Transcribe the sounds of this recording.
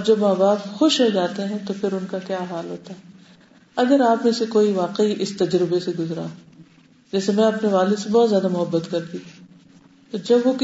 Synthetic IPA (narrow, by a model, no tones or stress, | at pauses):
d͡ʒɐbmaːbaːpxʊʃɦod͡ʒaːt̪eɦɛ̃t̪opʰɪɾʊnkakjaːɦaːlɦoːt̪aɦɛː | ɐɡəɾaːpmẽsekoːiʋaːqeiʔɪst̪ɐd͡ʒɾɪbeseɡʊzɾã̰ | d͡ʒɛːsemɛ̃ɐpneʋaːlɪd̪sebɔːt̪zjaːd̪amʊɦəbːət̪kɐɾd̪iːɦ | t̪oːd͡ʒɐbʋokɪ